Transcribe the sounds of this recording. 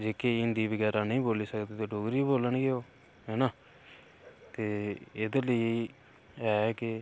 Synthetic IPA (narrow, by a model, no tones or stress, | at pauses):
d͡ʒeːkeːɪnd̪iːbəɡɛːɾaːnəĩːboːliːsəkd̪eːt̪eːɖoːɡɾiːboːlənɡeːoː | ɦɛːnaː | t̪eːɪd̪eləiː | ɛːkɪ